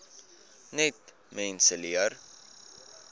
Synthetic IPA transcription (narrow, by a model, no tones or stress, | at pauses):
nɛt | mɛnsəliər